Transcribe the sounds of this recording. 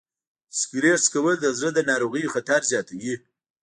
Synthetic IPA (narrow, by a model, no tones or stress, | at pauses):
skiɾeɾskawəld̪əzɾəd̪ənɑɾoɣijoxat̪aɾzjɑt̪awi